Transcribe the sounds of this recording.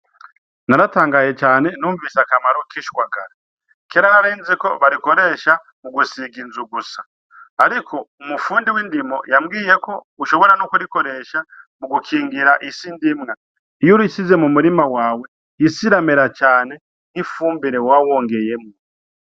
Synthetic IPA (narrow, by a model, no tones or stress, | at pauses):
naɾataːŋɡaje̞t͡ʃaːnenuːɱvisakamaɾokiʃwaɡaɾa | keɾanaɾeːnzeko̞βaɾiko̞ɾe̞ːʃa | muɡusiɡinzuɡusaː | ɾikʰo̞umufuːndiwiːndimo̞jamɡiːje̞ko̞ | uʃo̞βo̞ɾanokuɾiko̞ɾe̞ʃamuɡukʰiːŋɡiɾaʔisiːndimŋa | ijuɾuisize̞mumuɾimawaːwe̞ | isiɾameɾat͡ʃaːne̞ | nifuːmbiɾe̞wawoːŋɡe̞je̞mo